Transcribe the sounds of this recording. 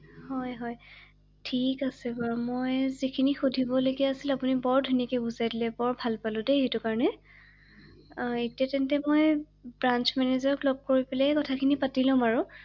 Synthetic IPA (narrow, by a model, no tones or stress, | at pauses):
hɔjɦɔj | tʰikasɛbaɹmojzikʰinixudʱibɔloɡiaːsilapunibɔɹdʱunakɛbuzajdilɛbɔɹbʱalpalʊ̃deitʊkaɹɔnɛ | etiatɛntɛmoj | bɹant͡ʃmɛnezɔɹɔklɔb̚koɹipɛlɛkɔtʰakʰinipatilʊ̃maɹʊ